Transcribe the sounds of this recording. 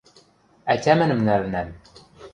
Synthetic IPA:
æt̪ʲæmɘ̆nɘmnæɾnæm

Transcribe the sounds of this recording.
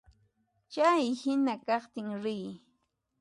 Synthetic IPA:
t͡ʃajhɪnakɑχt̪ɪŋɾɪj

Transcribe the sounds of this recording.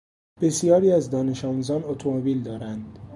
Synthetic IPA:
b̥e̞sijɒːɾiːæzd̪ɒːne̞ʃɒːmuzɒːnot̪ʰomobiːld̪ɒːɾænd̪̥

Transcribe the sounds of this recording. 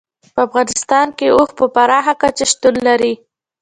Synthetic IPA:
pəafɣɑnɪst̪ɑnkeoxpəpaɾɑxakat͡ʃaʃt̪ulːaɾi

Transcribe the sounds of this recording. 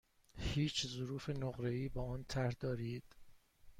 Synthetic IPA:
hiːt͡ʃʰzoɾuːfe̞noɣɾe̞iːbɒːɒːnt̪ʰæɾhd̪ɒːɾiːd̪̥

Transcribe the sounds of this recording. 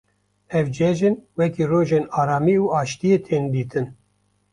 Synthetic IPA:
ɛvd͡ʒɛʒɨnwɛkiːroːʒenɑːɾaːmiːuːɑːʃt̪ijet̪ʰeːnd̪iːt̪ʰɨn

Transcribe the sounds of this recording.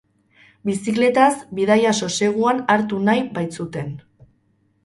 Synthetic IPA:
bisikle̞t̪asbiðajaso̞se̞ɣ̞uanaɾt̪unajbajt͡sut̪e̞n

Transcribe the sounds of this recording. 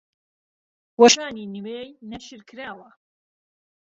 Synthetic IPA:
wɐʃaːniːnɨweːjnɐʃɨɾkʰɨɾaːwɐ

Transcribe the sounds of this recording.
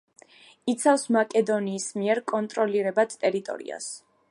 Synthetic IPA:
it̪sʰafsmakʼɛd̪ɔniːsmiɛɾkʼɔnt̪ʼɾɔliɾɛbad̪t̪ʼɛɾit̪ʼɔ̰ɾḭa̰s

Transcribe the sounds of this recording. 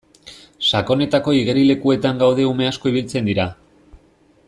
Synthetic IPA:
sako̞ne̞t̪ako̞iɣ̞e̞ɾile̞kue̞t̪aŋɡawð̞e̞ume̞asko̞iβilt͡se̞nd̪iɾa

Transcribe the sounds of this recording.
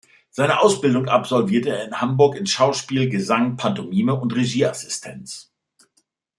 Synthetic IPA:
z̥aɪnəʔaʊsb̥ɪldʊŋʔapz̥ɔlviːɐtəeːɐɪnhambʊɐkɪnʃaʊʃpiːlɡəzaŋpʰantomiːməʊntʁeʒiːʔasɪ̥stʰɛnt͡s

